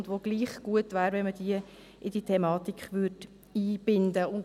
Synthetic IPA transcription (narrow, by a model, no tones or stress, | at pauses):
ndʋoːɡ̥liːχɡ̥uətvæːɾvɛnməd̥iə | ɪd̥itʰɛmɑːt̪ikχʋʏrd | iːb̥ɪndəʊ